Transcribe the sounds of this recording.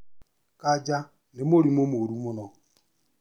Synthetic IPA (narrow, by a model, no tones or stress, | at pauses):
kad͡ʒa | nɪmoɾimomoɾumʊnɔ